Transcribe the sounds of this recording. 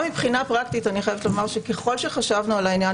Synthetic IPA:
mipχinapʁakt̪itaniχajevetlomaʁʃeke̞χo̞lʃeχaʃavnualainja

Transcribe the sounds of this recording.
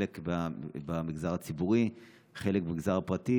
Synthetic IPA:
lekbabamiɡzaʁat͡sibuʁi | χelek̚bemiɡzaʁapʁati

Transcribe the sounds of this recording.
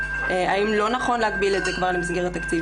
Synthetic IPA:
eaimlo̞naχo̞nleaɡ̚biletzekvaʁlemas̬ɡeʁet̪akt͡si

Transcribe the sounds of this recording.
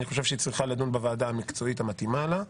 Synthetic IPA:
niχo̞ʃevʃeit͡sʁiχaladunbevaːd̪aːmikt͡so̞it̪amat̪imala

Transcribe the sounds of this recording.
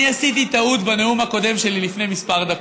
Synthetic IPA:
iasit̪it̪aut̪baneumhako̞d̪e̞mʃe̞lilifne̞jmispaʁd̪ak

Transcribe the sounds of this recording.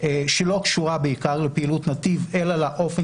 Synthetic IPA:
eʃelo̞kʃuʁabeikaʁlelpeilutnat̪ive̞lalaʔo̞fe

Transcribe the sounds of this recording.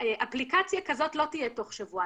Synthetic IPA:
ʔaplikat͡sjakazo̞tlotijeto̞χʃavua

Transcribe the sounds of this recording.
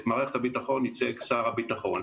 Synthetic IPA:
maːʁeχet̪habitaχo̞nit͡seksaʁhabitaχo̞n

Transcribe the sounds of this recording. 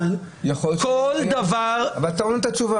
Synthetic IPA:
jaχolkold̪avaʁavalt̪aonet̪at͡ʃuva

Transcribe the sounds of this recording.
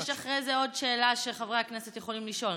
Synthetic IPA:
aχʁejzeo̞dʃeːlaʃeχavʁeakneset̪jeχo̞limliʃo̞l

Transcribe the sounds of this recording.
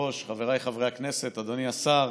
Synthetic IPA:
o̞ʃχave̞ʁajχavʁeaknese̞t̪ad̪oniasaʁ

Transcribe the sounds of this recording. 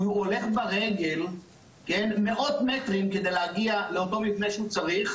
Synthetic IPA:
uole̞χbaʁe̞ɡe̞l | kenme̞ʔo̞tmetʁimke̞de̞jleaɡiale̞oto̞mivnejʃeut͡saʁiχ

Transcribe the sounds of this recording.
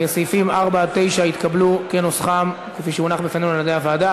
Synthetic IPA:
esejfimaʁbat̪e̞jʃait̪kablukenosχam | kefiʃeunaχbefanenulad̪eavaːd̪a

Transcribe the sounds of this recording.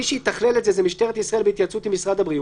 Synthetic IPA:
iʃehit̪aχleletzezemiʃt̪eʁet̪isʁaelbeit̪jat͡sut̪imisʁad̪abʁi

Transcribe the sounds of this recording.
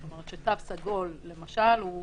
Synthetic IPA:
tomeʁet̪ʃet̪avsaɡo̞lːemaʃalu

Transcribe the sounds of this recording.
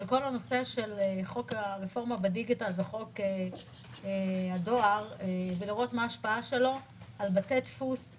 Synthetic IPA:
alko̞lano̞se̞ʃeleχo̞kaʁefo̞ʁmabediɡitalveχo̞ke | ehado̞aʁeveliʁo̞tmaːʃpaaʃe̞lo̞ | albatetfus

